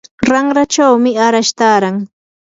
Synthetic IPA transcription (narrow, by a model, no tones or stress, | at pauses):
ɾaŋɾat͡ʃawmɪaɾaʃt̪aːɾaŋ